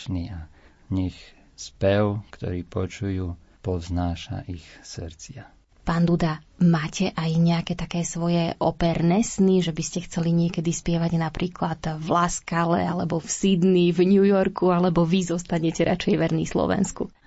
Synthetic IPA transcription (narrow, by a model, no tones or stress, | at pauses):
nḭa | ɲɛx | spɛwkt̪ɔ̰ɾiːpɔt͡ʃujuː | pɔznaːʃa̰ʔixsɾt͡sɪa | paːnd̪ud̪amaːcʰɛʔajɲɛakɛːt̪akɛːsʋɔjɛʔɔ̰pɛɾnɛsniʒɛbiscɛxt͡sɛliɲɪɛkɛd̪ispɪɛʋaɟnapɾiːklad̪vlaskalɛ̰alɛbɔfsid̪nivɲujɔɾkualɛbɔʋizɔst̪aɲɛcɛɾʔa̰t͡ʃɛjʋɛɾnḭslɔ̰ʋɛ̰nsku